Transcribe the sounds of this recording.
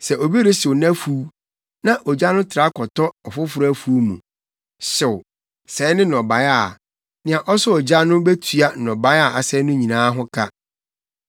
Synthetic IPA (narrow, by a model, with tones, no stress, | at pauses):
sɛ˨ʔo˨bi˦ɾɪ˦sɪ˨wnæ̃˦fu˨˦ | nã˦ʔɔ˨d͡ʑa˦nʊ̃˦tʰɪ˨ɾa˦kʰɔ˨tɔ˦ɔ˨fʊ˦fʊ˨ɾæ˦˨fu˨˦o˦mṵ̃˨ | sʊ˨ | sɛː˨˦nɪ̃˦n˨ɔ̃˨ba˨ja˨ | nɪ̃˨ã˨ʔɔ˦sʊ˦ɔ˨d͡ʑa˦nʊ̃˦be˦tʰɥa˦˨nɔ̃˨ba˨˦ja˦˨a˨sɛ˦nʊ̃˦ɲĩ˨nãː˦ɦʊ̃˦kʰa˦